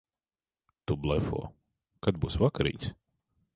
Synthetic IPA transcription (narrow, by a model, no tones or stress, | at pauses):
t̪ublˠɛfɔ̰ɔ | kad̪̚buːsvakaɾḭɲʲs